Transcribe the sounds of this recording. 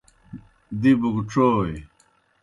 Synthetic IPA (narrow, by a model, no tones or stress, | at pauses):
d̪ibuɡʈ͡ʂoːj